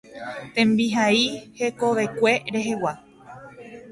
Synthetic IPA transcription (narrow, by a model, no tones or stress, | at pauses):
t̪ẽ̞mbiɦaihe̞koʋekʷe̞ɾe̞ɦe̞wa